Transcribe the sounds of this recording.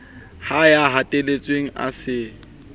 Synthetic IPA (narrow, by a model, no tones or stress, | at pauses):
hajaɦatʼelet͡sʼweŋ̩ʔa̰sɪ